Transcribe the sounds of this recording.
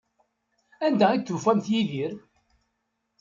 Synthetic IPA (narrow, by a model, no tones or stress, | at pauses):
ænd̪æiθːufæmθjiðiɾ